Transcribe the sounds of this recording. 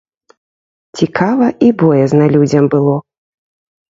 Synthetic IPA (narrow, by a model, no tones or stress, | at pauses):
t͡sʲikʰavɐibɔjɛznɐlʲud͡zʲɐmbɨlˠɔ